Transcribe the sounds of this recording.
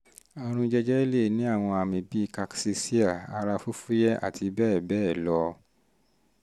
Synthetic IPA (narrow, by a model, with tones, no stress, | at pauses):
a˦˧ɾ̃ũ˧d͡ʒɛ˦d͡ʒɛ˦i˦le˦˨nĩ˨˦a˦˨w̃ɔ̃˧a˧˨mĩ˨bi˦˨ka˧ksi˧si˦a˦˨a˧ɾa˧fo˦fu˦jɛ˦ʔa̰˦˨ti˧bɛː˦˨bɛː˦˨lɔ˧